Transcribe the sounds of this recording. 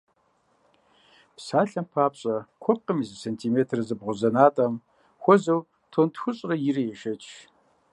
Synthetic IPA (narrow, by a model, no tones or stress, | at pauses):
psaːɬɐmpʰaːpɕʼɐkʷʰɔp̚qəmizɨsentʰiːmeːtʰrɨzɨbʁʷʊzɐnaːtʼɐm | xʷɔzɐw | tʰontxʷʊɕʼrɐjɪɾɨjɛʃɐt͡ʃʰ